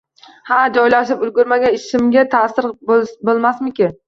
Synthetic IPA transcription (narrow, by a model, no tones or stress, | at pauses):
had͡ʒɒjlaʃɪpʊlɡʲʊɾmaɡʲanɪʃɪmɡʲat̪ʰasɪɾbbolˠmasmɪkʲɪ